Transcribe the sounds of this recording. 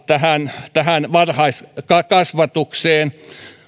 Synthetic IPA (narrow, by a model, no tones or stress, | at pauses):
t̪æhænt̪æhænʋɑrhɑiskɑkɑsʋɑt̪ukseːn